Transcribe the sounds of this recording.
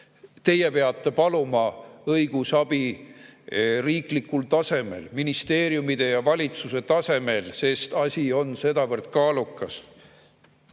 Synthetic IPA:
t̪e̞jepe̞ɑt̪ːe̞pɑlumɑɤjɡ̥usɑb̥i | riːklikːˑult̪ɑse̞me̞̰lminist̪e̞ːɾjumid̪̥e̞jɑvɑlʲit̪suse̞t̪ɑse̞me̞lse̞st̪ɑsʲio̞nse̞d̪ɑvɤrd̪̥kɑːlukːˑɑs

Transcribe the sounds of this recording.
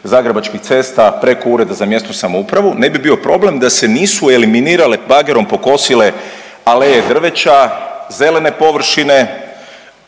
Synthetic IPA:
zaːɡɾebat͡ʃkixt̪se̞st̪apɾe̞ko̞uːɾe̞d̪azamje̞st̪osamoupɾaʋune̞bibio̞pɾo̞ble̞md̪ase̞niːsue̞liminiːɾalebaɡe̞ɾo̞mpoko̞sile̞ | alejed̪r̩ʋe̞t͡ʃaze̞le̞ne̞po̞ʋr̩ʃine̞

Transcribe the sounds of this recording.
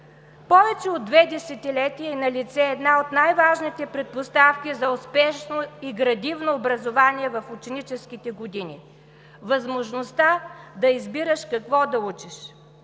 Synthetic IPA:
pɔvɛt͡ʃɛod̪ːvɛd̪ɛsɛt̪ilɛt̪iəinɐlit̪sɛːd̪naot̪najvaʒnit̪ɛpɾɛt̪̚post̪afkʲizɐʊspɛʃnoiɡɾɐd̪ivnoːbɾɐzovaniɛvɐfʊt͡ʃɛnit͡ʃɛskʲit̪ɛɡod̪inʲḭ | vɐzmoʒnost̪ad̪ɐizbiɾəʃkɐkvɔd̪ɐut͡ʃiʃ

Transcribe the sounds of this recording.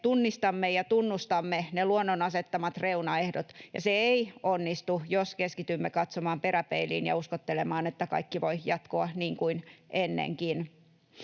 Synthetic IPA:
t̪unːist̪ɑmːejɑt̪unːust̪ɑmːeneluonːonɑset̪ːɑmɑt̪reunɑehdot̪jɑ̰seeionːist̪ujoskeskit̪ymːekɑt̪somɑːmperæpeilḭːnjɑ̰uskot̪ːelemɑːnet̪ːækɑ̰ikːiʋoijɑt̪koɑniːŋkuinʔenːḛŋkin

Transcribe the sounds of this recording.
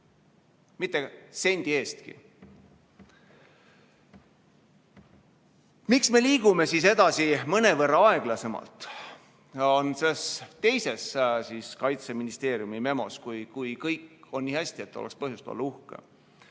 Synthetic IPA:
mit̪ˑːese̞nʲd̪̥ie̞ːst̪kḭ | miksme̞liːɡ̥ume̞sise̞d̪̥ɑsimɤne̞vɤrːɑɑe̞ɡ̥lɑse̞mɑ̰lt̪ˑ | o̞nsest̪e̞jse̞ssiːskɑjt̪se̞minist̪e̞ːɾjumime̞mo̞̰skujkujkɤjkːo̞nːiːhæsʲt̪ie̞t̪ːolekspɤɦjust̪ɑ̰lːuhkḛ

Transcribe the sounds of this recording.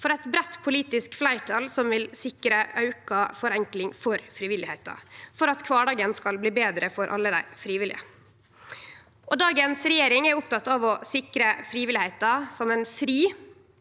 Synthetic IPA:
fɔɾɛɪt̪bɾɛt̪ːpʰʊliːt̪ɪskflæɪʈʰɑlsɔmʋɪlsɪkəɾəʔɑʉkɑfɔɾɛŋklɪŋfɔɾfɾɪʋɪlɪheɪt̪ɑ̰fɔɾɑt̪kʰʋɑːɖɑːɡənskɑlbliːbeːd̪ɾəfɔɾʔɑ̰lːəd̪æ̰ɪfɾiːʋɪlɪ̰ə̰ | ʔɔd̪ɑːɡənsɾɛjeːɾɪŋɛɾʊp̚t̪ɑt̪ːɑʋɔsɪkɾəfɾiːʋɪlɪheɪt̪ɑsɔmɛnfɾiː

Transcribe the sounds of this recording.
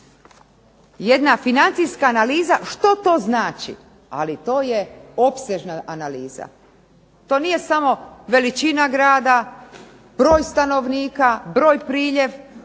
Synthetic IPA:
jed̪nafinant̪sijskaːnaliːzaʃt̪o̞t̪o̞ːznaːt͡ʃḭ | a̰lit̪o̞ːje̞o̞pseʒnaʔanaliːza̰ | t̪o̞ːnije̞samo̞ʋe̞lit͡ʃinaɡɾaːd̪a | b̥ɾo̞ːjst̪ano̞ʋniːkabɾo̞ːjpɾiːʎeʋ

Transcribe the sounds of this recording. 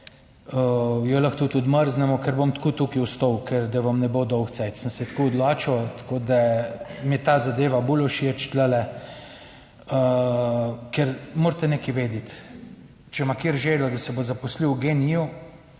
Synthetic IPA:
əjɔlɐxt̪ut̪ɔd̪məɾznɛmɔkɛɾbomt̪kuːt̪uːkiust̪owkɛɾd̪aʋɐmnɛbod̪ɔwxt̪sɛjt̪sənsɛt̪kuːɔd̪laːt͡ʃɔt̪koːd̪amit̪aːzad̪eːʋabulɔʃiɛt͡ʃt̪lɛlɛ | ə | kɛɾmoːɾt̪ɛnekiʋeːd̪it̪ | t͡ʃɛmakiːɾʒelɔd̪ɐsɛbozapɔsliwɡenijɔ

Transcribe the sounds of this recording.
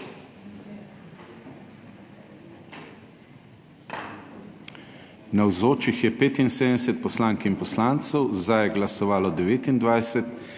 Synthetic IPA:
nawzoːt͡ʃixjɛpeːt̪inseːd̪ɛsɛt̪̚pɔslaːŋkinpɔslaːnt̪sɛwzd̪ajɛɡlasɔʋaːlɔd̪ɛʋeːt̪ind̪ʋajsɛt̪

